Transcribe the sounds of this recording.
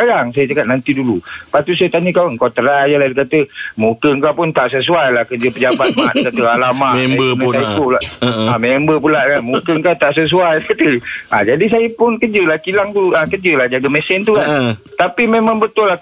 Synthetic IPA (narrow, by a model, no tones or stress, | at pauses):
aɾaŋsajət͡ʃakat̪̚nant̪idulupat̪us̬ajət̪aɲəkawəŋkɔt̪əɾajəladikat̪əmukəŋkapʊnt̪aʔsəs̬uajlahkəd͡ʒəpəd͡ʒabat̪̚maʔdikat̪əalamaʔəmajt̪ulaʔamembəpulaʔkanmukəŋkat̪aʔsəs̬uajkat̪əad͡ʒadis̬ajəpʊnkəd͡ʒəlahkilaŋt̪uuakəd͡ʒəlahd͡ʒaɡamɛsɛnt̪ukant̪apimemãŋbət̪ʊlːa